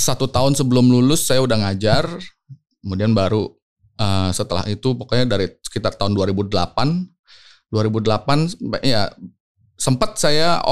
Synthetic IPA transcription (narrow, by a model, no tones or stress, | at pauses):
sat̪ut̪aʊnsəbəlʊmlulʊsːajaudaŋad͡ʒar | kəmudianbaɾu | əsət̪əla̰hit̪upokɔɲadaɾisə̥kit̪art̪aʊnduaɾibudəla̰pan | duaɾibudəlapanʔja | səmpat̪̚saja̰